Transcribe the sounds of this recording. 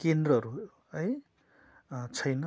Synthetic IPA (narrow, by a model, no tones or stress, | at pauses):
kend̪rʌɦʌɾu | ʌj | t͡sʰʌjnʌ